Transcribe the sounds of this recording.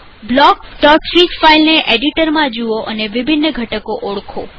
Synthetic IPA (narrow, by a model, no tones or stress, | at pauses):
blɔkɖɔksit͡ʃfailneʔeɖiʈəɾmãd͡ʒuoʔəneʋibʱinːəɡʱəʈəkoʔoɭkʰo